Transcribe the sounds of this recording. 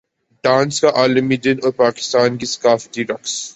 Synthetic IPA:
ɖãːnskaʔaːləmidɪnɔːɾpaːkɪ̥st̪aːnkiskaːfʈiɾɔks

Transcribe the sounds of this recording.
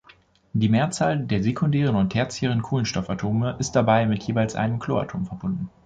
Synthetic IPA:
d̥iːmeːɐt͡saːldeːɐzekʰʊndɛːʁ̞ənʊnthɛɐt͡sɪçəʁ̞ənkʰoːlənʃtɔfatʰoːməʔɪst̚d̥abaɪmɪtʰjeːvaɪlsʔa̰ɪnəmkʰl̥o̰ːa̰tʰoːmfɛɐbʊndn̩

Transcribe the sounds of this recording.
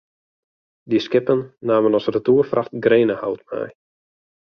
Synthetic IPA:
diskɪpənːaːmənɔsərətuːərfraxtɡreːnəha̰wtmɛ̰j

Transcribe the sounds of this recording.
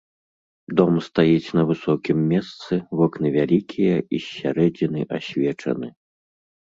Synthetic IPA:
d̪ɔmst̪ajit͡sʲnɐvɨsɔkʲimːʲɛst̪sɨvɔknɨvʲalʲikʲʰijɐisʲːa̰ɾɛd͡zʲinɨʔasʲvʲɛt͡ʂɐ̰nɨ

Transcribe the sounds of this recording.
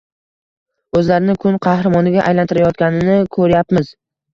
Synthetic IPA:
ɵzlaɾɪnɪkʰʊnqʰɑhɾamɒnɪɡʲaʔajlant̪ʰɪɾajɒt̪̚kʲanɪnɪkʰɵɾjapmɪz

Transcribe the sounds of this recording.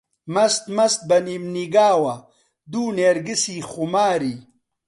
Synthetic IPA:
mɐst̪mɐst̪̚bɐnimniɡaːwɐ | d̪uːneːɾɡisiχumaːɾi

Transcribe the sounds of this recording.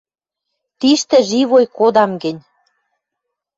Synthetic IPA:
t̪iʃt̪ɘ̆ʒiβojkod̪ɑmɡɘ̆nʲ

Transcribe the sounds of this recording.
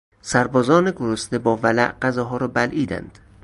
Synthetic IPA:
sæɾbɒːzɒːneɡoɾost̪ebɒːvælæʔɢæzɒːɦɒːɾɒːbælʔiːd̪æ̰nd̪̥

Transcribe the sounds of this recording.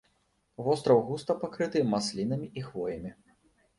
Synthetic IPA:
vɔst̪ɾɐwɣust̪ɐpakɾɨt̪ɨmaslʲinɐmʲiʔixvɔjɐmʲi

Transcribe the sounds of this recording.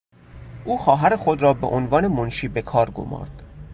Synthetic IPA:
ʔuːxɒːɦæɾexo̞d̪ɾɒːbḛʔonvɒːne̞monʃiːbe̞kʰɒːɾɡo̰mɒ̰ːɾd̪̥

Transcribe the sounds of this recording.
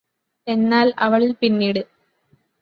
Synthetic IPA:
e̞nːaːlɐʋɐɭilpinːiːɽɨ

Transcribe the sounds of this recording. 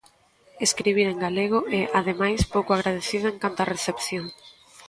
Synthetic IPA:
eskɾiβ̞iɾeŋɡaleɣ̞oʔɛʔaðemajspowkʊaɣɾað̞eθiðoẽŋkant̪ɐreθepθjoŋ

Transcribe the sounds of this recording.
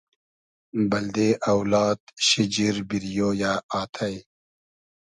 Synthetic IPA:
bɐld̪eːʔɐwlaːt̪ɕid͡ʑiɾbiɾijoːjaːaːt̪ʰɐj

